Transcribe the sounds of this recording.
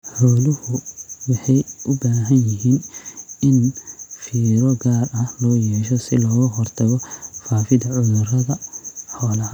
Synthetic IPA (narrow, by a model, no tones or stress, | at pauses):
ħɔːlɪhʊwɑħɑjʔʊbaːɦɐnjɪɦiːnɪnfiːɾɔɡaːrɐhlɔːjɛːʃɔsɪlɔːɣɐɦɔrt̪ʰɐɣɔfaːfɪd̪ɐʕʊðʊrɐðɐħɔːlɐ